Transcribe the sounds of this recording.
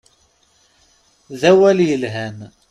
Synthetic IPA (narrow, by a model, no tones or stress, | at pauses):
ðæwæljəlɦæn